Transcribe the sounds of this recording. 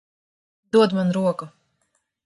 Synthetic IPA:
d̪uɔd̪manɾuɔku

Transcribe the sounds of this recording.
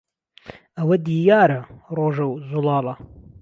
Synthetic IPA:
ɐwɐd̪iːjaːɾɐroːʒɐwzulɑːlɐ

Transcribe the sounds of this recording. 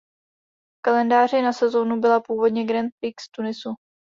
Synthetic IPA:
fkalɛndaːr̝ɪnasɛzo̞nubɪlapuːvo̞dɲɛɡɾɛnt̪̚pikst̪unɪsu

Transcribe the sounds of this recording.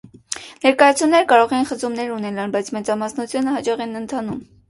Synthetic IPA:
nɛɾkɑjɑt͡sʰunnːɛɾəkɑɾɔʁɛjinχət͡sumnɛɾunɛlɑnbɑjt͡sʰmɛt͡sɑmɑsnut͡sʰjunəhɑt͡ʃɑʁɛnənt̪ʰɑnum

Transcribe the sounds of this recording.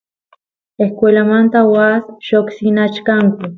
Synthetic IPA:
ehkʷelamant̪awasʃoksinat͡ʃkaŋki

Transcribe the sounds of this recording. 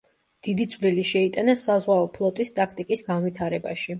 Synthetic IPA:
d̪̥id̪it̪sʰvliliʃɛit̪ʼanasazʁwaɔpʰlˠɔt̪ʼist̪ʼakʰt̪ʼikʼisɡanvit̪ʰaɾɛba̰ʃi

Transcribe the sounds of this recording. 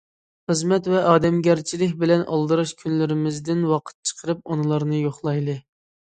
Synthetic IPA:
χəzmɛt̪vɛʔɑːd̪ɛmɡʲɛɾt͡ʃʰilɪk̬ʲbɪlɛnʔɑ̰lˠd̪ɨɾɑʃkʲʰynlɪɾɪmɪzd̪ɪnwɑqʰə̥t̪̚t͡ʃʰə̥qʰəɾɨp̚onɨlˠɑɾnɨjoχlˠɑjlˠɨ

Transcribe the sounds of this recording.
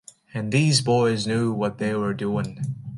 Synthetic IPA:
ɨ̃nðizbɔɪznjuwʌt̪̚ðeɪwə˞duɪ̃ŋ

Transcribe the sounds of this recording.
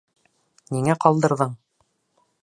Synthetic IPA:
niŋæqɒlˠd̪ɤ̆ɾðɤɴ

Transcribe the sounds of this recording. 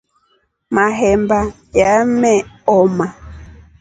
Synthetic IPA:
maɦɛmba | jamɛɔma

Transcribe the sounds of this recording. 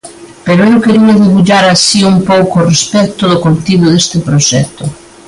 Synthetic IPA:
peɾoewkeɾiaðiβuʎaɾasiumpowkorespɛkt̪oðokolt̪iβoðest̪epɾoʒɛt̪o

